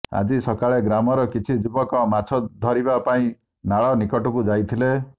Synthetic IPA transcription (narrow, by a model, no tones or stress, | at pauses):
a̰d͡ʒisɔkaɭeɡɾamɔɾɔkit͡ʃʰid͡ʒubɔkɔmat͡ʃʰɔd̪ʱɔɾibapaĩ | naɭɔnikɔʈɔkud͡ʒajt̪ʰile